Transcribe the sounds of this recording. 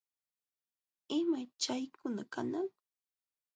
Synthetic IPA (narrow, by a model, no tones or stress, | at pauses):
ɪmajt͡ʃajkʊnakanaŋ